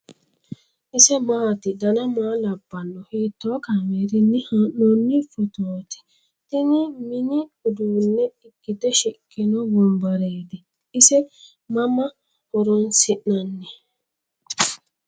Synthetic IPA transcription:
ɪsɛmaːt̪ɪd̪ɐnɐmaːlɐbːɐnːɔheːt̪ːoːkaŋeɾɪnːɪhaʔɔnːɪfɔt̪oːt̪ɪ̥ | t̪ɪnɪmɪnɪʊd̪uːnːɛɪkʼːɪt̪ɛʃɪkʼːɪnɔbɔmbɐɾeːd̪ɛ | ɪsɛ | mɐmɐ | hɔɾɔnsɪʔnɐnːɛ

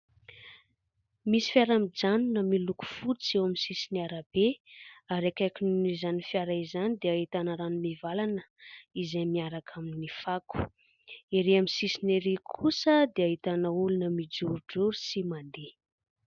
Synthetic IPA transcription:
misi̥faɾamid͡zanunəmiluku̥fut͡sewaminsisiniaɾəb̥eaɾakajkʲinizanifiaɾaizanid̪eaɦit̪anaɾanumivalanəizejmiaɾakʰaminnifaku̥ | eɾeaminsisineɾikʰusəd̪eaɦit̪anəulunəmid͡ʒuɾuɖ͡ʐuɾusimand̪e

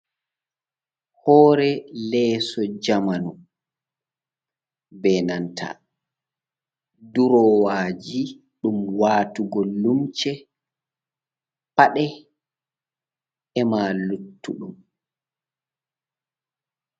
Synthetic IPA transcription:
hɔːɾɛlɛːsɔd͡ʒamanu | bɛnantʰa̰ | duɾɔwaːd͡ʒi | ɗumwaːtuɡɔlumt͡ʃɛ | paɗɛ | ɛmalutːuɗum

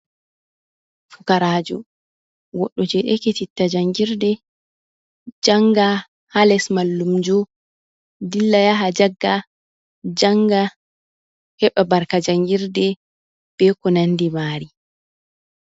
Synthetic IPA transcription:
fukaɾaːd͡ʒɔ̰ | wɔɗːɔd͡ʒɛɗɛketitːad͡ʒaŋɡiɾdɛ | d͡ʒaŋɡa | halɛsmalːumd͡ʒɔ | dilːajaɦad͡ʒaɡːa | d͡ʒaŋɡa | hɛɓabaɾkad͡ʒaŋɡiɾdɛ | b̥ɛkɔnandimaːɾi

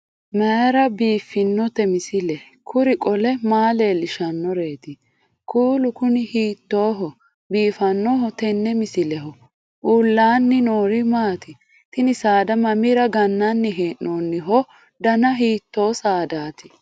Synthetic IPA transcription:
mɛjɾɐbiːfːɪnːɔt̪ɛmɪsɪlɛ | kʰʊɾɪkʼɔlɛmaːle̞ːlɪʃɐnːɔɾe̞ːt̪ɪ | kʰuːlʊkʊnɪhiːt̪ːo̞ːɦɔ | biːfɐnːɔɦɔt̪ɛnːɛmɪsɪlɛɦɔ | ʔuːlːaːnːɪnoːɾɪmaːt̪ɪ | t̪ɪnɪsaːd̪ɐmɐmɪɾɐɡɐnːanːɪɦeːnnoːnːɪɦɔ | d̪ɐnɐɦiːt̪ːo̞ːsaːd̪aːt̪ɪ̥

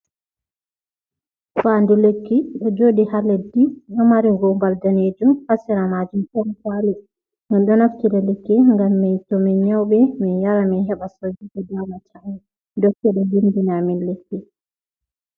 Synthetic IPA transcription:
fandulekːiɗɔd͡ʒoːdihalediɗɔmaɾiɡɔmbaldaneːd͡ʒumhasiɾamad͡ʒumʔɔmkali | minɗɔnaftiɾɛlekːɛŋɡamːɛjtomiɲawɓɛminjaɾaminɦɛɓasowd͡ʒikɛdawmatʰaŋɛ | dɔkːɛɗɛlindinaminlekːi

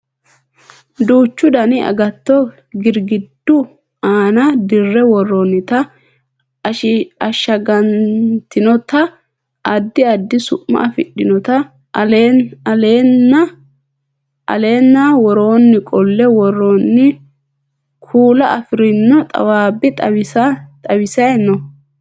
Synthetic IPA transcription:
d̪uːt͡ʃːʊd̪ɐnɪɐ̰ɡɐt̪ːɔ | ɡɪɾɡɪd̪̥ːʊ | aːnɐd̪ɪrːɛwɔrːonːɪt̪ɐ | ʃɪɐʃːɐɡɐnt̪ɪnɔt̪ɐ | ʔɐd̪ːɪɐd̪ːɪsʊ̰ʔmɐ̰ɐfɪ̰ɗːɪnɔt̪ɐ | leɐleːnːɐ | ʔɐ̰le̞ːnːawɔɾo̞ːnːɪkʼɔlːɛwɔrːonːɪ | kʰuːlɐʔɐfɪɾɪnːɔt̪ʼɐ̰waːbɪt̪ʼɐt̪ʼɐwɪsɐjnːɔ

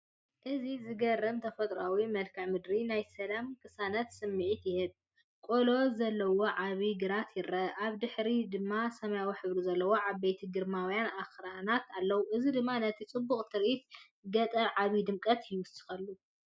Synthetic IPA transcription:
ʔɨzizɨɡɐrːɐmt̪ʰɐfɐt̪ʼɾawimɐlkʰɐʕmɨd̪ɾinajsɐlamkʰɨsanɐt̪sɨmːɨʕit̪jɪhɨβ | kʼolo̞zɐlːɐwo̞ʕaβiɡɨɾat̪jɪɾɐʔaβd̪ɨħɾid̪ɨmːasɐmjawiħɨβɾizɐlːɐwoʕaβbejt̪ʰiɡɨɾmawjanaxɾanat̪ʰalːɐwʔɨzid̪ɨmːanɐt̪ʰit͡sʼɨbːuχʼt̪ʰɨɾʔit̪̚ | ɡɐt̪ʼɐɾʕaβid̪ɨmkʼɐt̪jjwʊsɨ̥xɐlːu

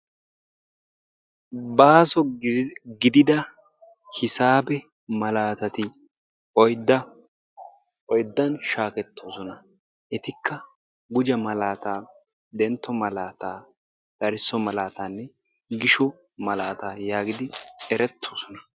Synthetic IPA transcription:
baːsɔ | ɡɪd̪ɪd̪ɐ | hɪsaːbɛ | mɐlaːt̪ɐt̪ɪ | ɔjd̪ɐ | ɔjd̪ːɐnʃaːkɛt̪ːoːsɔnɐ | ʔɛt̪ɪkʰːɐ | ɡʊd͡ʒɐmɐlaːt̪aː | d̪ɛnt̪ːɔmɐlaːt̪aː | d̪̥ɐɾɪsːɔmɐlaːt̪aːnːɛ | ɡɪʃɔ | mɐlaːt̪aːjaːɡɪd̪ɪɛɾɛt̪ʰːoːsɔnɐ

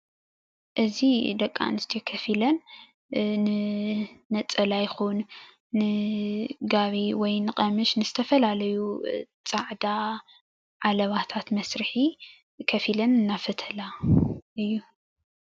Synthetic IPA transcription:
ʔɨzid̪ɐkʼːa̰nɨst̪ʰijokʰɐfilɐn | nɨ | nɐt͡sʼɐlajɪxunː | ɨ | ɡaβiwɔjnɨqʼɐmɨʃnɨzɨt̪ʰɐfɐlalɐjut͡sʼaʕd̪a | ʕalɐβat̪ʰat̪mɐsɾɨħi | kʰɐfilɐnɨnːafɐt̪ʰɐlaʔɨjːu

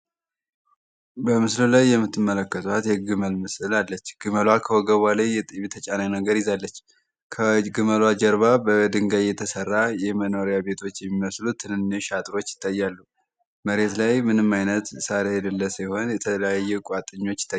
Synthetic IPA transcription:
bəmɨslulajːɛmːɨt̪ʰːɨmːələkːət̪ʰuat̪jɛɡɨməlmɨsɨlalːət͡ʃːɡ̥ɨməlwakʰəwoɡəβalajjɛt̪ʼiβit̪ʰət͡ʃʼanajnəɡəɾɪzalːət͡ʃː | kʰəɡɨməlwad͡ʒəɾβabəd̪ɨŋɡajɛt̪ʰəsərːajɛməno̞ɾijaβe̞t̪ʰo̞t͡ʃːjɛmːiməslut̪ʰːɨnɨnneʃat̪ʼɨɾo̞t͡ʃːjɪ̥t̪ʼːajːalːu | məɾe̞t̪lajmɨnɨmːajnət̪saɾejɛd̪ɨlːəsɨjho̞njɛt̪ʰələjajːɛkʼat̪ʼɨɲːo̞t͡ʃːɪ̥t̪ʼːa

